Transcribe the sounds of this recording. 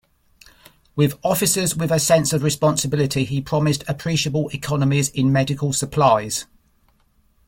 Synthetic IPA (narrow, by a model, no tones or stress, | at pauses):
wɪðɒfɪsəzwɪðəsɛ̃nsəvɹɪspɒ̃nsəbɪlɪtʰiipʰɹ̥ɒmɪstʰəpʰɹ̥iˑʃəbəlɪkʰɒnəmɪzɪ̃nmɛdɪkʰəlˠsəpʰl̥aɪz̥